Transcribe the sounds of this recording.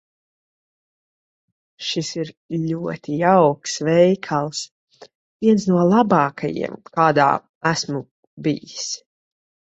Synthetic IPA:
ʃisiɾʎʲuɔt̪ijawksvɛjkʰalˠs | viɛns̬nuɔlˠabɑːkʰajḭɛmkaːd̪a̰ː | æsmu | bḭjis

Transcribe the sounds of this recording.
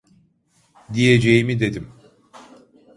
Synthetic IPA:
d̪ijed͡ʒejimid̪e̞d̪im

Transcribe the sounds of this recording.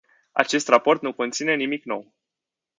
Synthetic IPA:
a̰t͡ʃe̞st̪rapo̞rt̪nuko̞nt̪sine̞nimikno̞̰w

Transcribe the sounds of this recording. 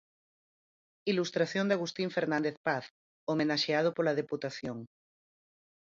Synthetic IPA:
ilust̪ɾaθjond̪aɣ̞ust̪ĩɱfeɾnãnd̪eθpaθ | omenaʃeað̞opoɾlað̞eput̪aθjoŋ

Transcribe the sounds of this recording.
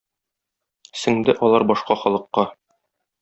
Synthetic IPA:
sɘ̆ŋd̪ɘʔɒlˠɑɾbɒʃqɑχɒlˠɤ̆qːɑ

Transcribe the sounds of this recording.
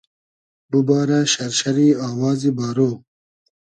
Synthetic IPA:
bubɑːɾaʃɐɾʃɐɾiːɑːwɑːzibɑːɾoː

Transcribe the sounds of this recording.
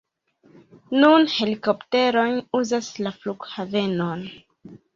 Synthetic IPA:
nunhe̞liko̞pte̞ɾo̞jnuzaslafluɡhave̞non

